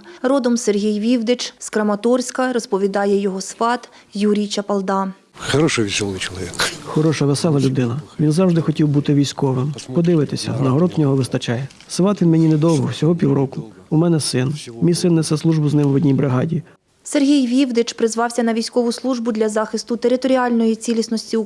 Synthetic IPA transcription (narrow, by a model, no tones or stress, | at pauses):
rɔd̪ɔmserɦʲijʋʲiwd̪ɪt͡ʃskɾɐmɐt̪ɔrsʲkɐɾɔspɔʋʲid̪ɑjɛjɔɦɔsʋɑt̪ | juɾʲijt͡ʃɐpɐlˠd̪ɑ | xɐɾɔʃɛʋʲisʲɔlˠʊt͡ʃɔlˠɔʋʲikxɔɾɔʃɐʋesɛlˠɐlʲʊd̪ɪnɐʋʲinzɑwʒd̪ɪxɔtʲiwbut̪ɪʋʲijsʲkɔʋɪmpɔd̪ɪʋɪt̪ɪsʲɐ̰nɐɦɔɾɔd̪nʲɔɦɔʋɪst̪ɐt͡ʃɑjɛ | sʋɑt̪ʋʲinmenʲinɛd̪ɔwɦɔwsʲɔɦɔpʲiwɾɔkʊumɛnɛsɪnmʲijsɪnːɛsɛslˠuʒbʊznɪmʋɔdʲnʲijbɾɪɦɑdʲi | serɦʲijʋʲiwd̪ɪt͡ʃpɾɪzʋɑwsʲɐnɐʋʲijsʲkɔʋʊslˠuʒbʊd̪lʲɐzɑxɪst̪ʊt̪eɾɪt̪ɔɾʲiɑlʲnɔjit͡sʲilʲisnɔsʲtʲi